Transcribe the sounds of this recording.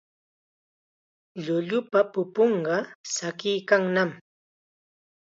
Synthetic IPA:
ʎʊʎʊpapʊpoɴɢɑsakɪjkaŋnam

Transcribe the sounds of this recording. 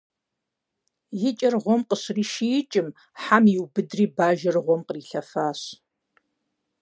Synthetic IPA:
jɪt͡ʃʼɐrʁʷɔmqəɕriːʃijɪt͡ʃʼɪm | ħamiwbɨdriːbaːʒɐrʁʷɔmqəriːɬɐfaːɕ

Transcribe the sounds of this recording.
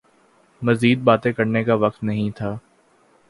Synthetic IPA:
mɐziːd̪̚baːt̪ẽkɐɾnekaʋɐk̚t̪nɐɦĩt̪ʰaː

